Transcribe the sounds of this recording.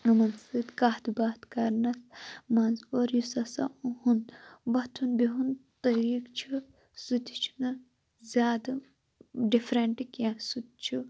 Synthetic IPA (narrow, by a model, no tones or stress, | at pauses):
ɐmɐnsɨt̪kaːt̪baːt̪kɐɾnɐsmɐnzoɾjusɐsɐ̰uhunʋɐt̪ʰunbiɦunt̪ɐɾiːkt͡ʃʰi | sɨt̪ʲi̥t͡ʃʰi̥nɐ | zʲaːd̪ɨ | ɖifɾeɳʈikjasut̪̚t͡ʃʰu